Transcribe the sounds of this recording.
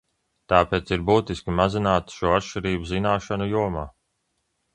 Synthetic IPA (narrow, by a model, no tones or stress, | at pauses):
t̪aːpeːt̪siɾbuːt̪iskʲimazinaːt̪ʃuɔat̪ʃt͡ʃiɾiːbuzinaːʃanujuɔmaː